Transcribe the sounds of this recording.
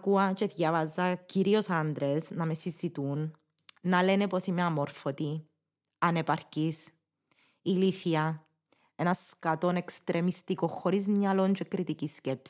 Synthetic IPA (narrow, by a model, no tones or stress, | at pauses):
kuɐt͡ʃeðjavɐzːɐciɾiosand̪ɾesnɐmesizit̪unː | ɐleneposimeamoɾfot̪i | ɐnepaɾcis | iliθiɐ | enɐskat̪onekst̪ɾʔemist̪ikoxːoɾizɲalont͡ʃekɾit̪iciscepsi̥